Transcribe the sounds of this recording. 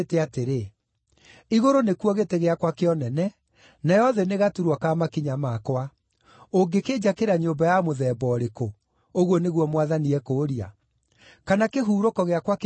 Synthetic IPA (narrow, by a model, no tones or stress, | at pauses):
tɛateɾe | iɣoɾonekuɔɣeteɣeakwakeɔnɛnɛ | najɔðɛneɣatuɾwakamakiɲamakwa | oŋɡeked͡ʑakeɾaɲombajamoðɛːbɔɾeko | oɣwɔneɣwɔmwaðaniɛkoɾia̰ | kanakeɦuːɾokɔɣeakwak